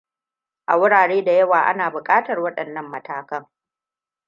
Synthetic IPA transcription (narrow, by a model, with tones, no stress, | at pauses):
ʔa̰˨wʊ˦ɽaː˨ɽeː˦da˨jɐ˦waː˨ʔa̰˦naː˨bʊ˨kʼaː˦tɐ˨rwɐ˦ɗɐ˨nːɐ˦mːɐ˦taː˨kɐ˦ŋ